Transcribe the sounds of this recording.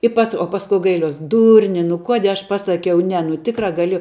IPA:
ɪ ˈpɐs oː ˈpɑːskʊ ɡɐɪˈlʲuɔs ˈdʊrʲnʲɪ nʊ ˈkuɔdʲiɛ ɐʃ ˈpɑːsɐkʲɛʊ ˈnʲɛ nʊ ˈtʲɪkrɐ ɡɐˈlʲeːjɛʊ

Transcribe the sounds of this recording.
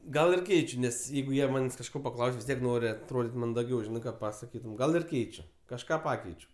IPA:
ˈɡɐlˠ ɪr ˈkʲɛɪt͡ʃʲʊ ˈnʲɛs ˈjɛɪɡʊ ˈjiɛ ˈmɑːnʲeːsʲ kɐʃˈkoː pɐˈklˠɐʊsʲ ʋʲɪs ˈtʲiɛk ˈnoːrʲɪ ɐtroːˈdʲiːtʲ mɐndɐˈɡʲɛʊ ˈʒʲɪnɐɪ ˈkɑː pɐsɐˈkʲiːtʊm ˈɡɐlˠ ɪrʲˈkʲɛɪt͡ʃʲʊ kɐʃˈkɑː ˈpɑːkʲɛɪt͡ʃʲʊ

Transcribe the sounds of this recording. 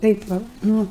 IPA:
ˈtɐɪp ʋɐ ˈnʊ

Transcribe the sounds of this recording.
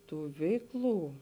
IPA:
ˈtuː ˈʋʲɛɪkˌlˠuː

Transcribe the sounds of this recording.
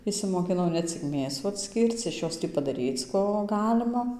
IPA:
ɪʃʲsʲɪmoːkʲɪˈnɐʊ nʲɛ ˈt͡sʲɪk ˈmʲeːsuː ɐtʲˈsʲkʲiːrt͡s ɪʃ ˈjoːs ˈtʲiː pɐdɐˈrʲiːt͡s ˈkoː ˈɡɑːlʲɪmɐ

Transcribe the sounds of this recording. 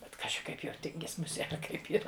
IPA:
bʲɛt ˈkɑːʒʲɪ ˈkɐɪp jɛʊ ˈtʲɪŋʲɡʲɪs mʊˈsʲiɛ ɐr ˈkɐɪp iːˈrɐ

